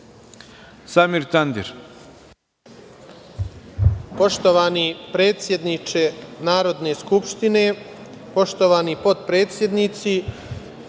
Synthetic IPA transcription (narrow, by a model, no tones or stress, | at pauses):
samiɾt̪and̪ḭɾ | po̞ʃt̪oʋaːnipɾe̞ːt̪sje̞d̪nit͡ʃenaːɾo̞d̪ne̞skupʃt̪ine̞ | po̞ʃt̪oʋaːnipo̞t̪pɾe̞ːt̪sje̞d̪nit̪si